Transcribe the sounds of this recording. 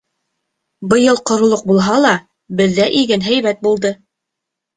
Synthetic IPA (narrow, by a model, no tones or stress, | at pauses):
bɤ̆jɤlˠqŏɾŏlˠoq̚bulˠɦɑlˠɑ | bɘ̆ðːæʔiɡɘnɦæjβæt̪̚bulˠd̪ɤ